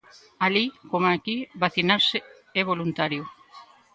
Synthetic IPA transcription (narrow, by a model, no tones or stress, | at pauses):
alikomakiβaθinaɾse | ɛβolunt̪aɾjo